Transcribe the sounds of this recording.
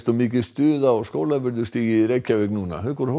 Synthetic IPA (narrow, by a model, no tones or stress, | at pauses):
t̪ɔmɪːcɪst̪ʏːðaɔɣskoːwlavɪɾðʏ̥st̪iːjɪɾejcːavɪknuːna̰ɦʏːkɔɾ̥ho